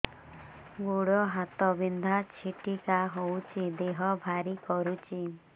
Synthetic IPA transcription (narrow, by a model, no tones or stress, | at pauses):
ɡoɽɔɦat̪ɔbind̪ʱat͡ʃʰiʈikaɦowt͡ʃʰid̪eɦɔbʱaɾikɔɾut͡ʃʰi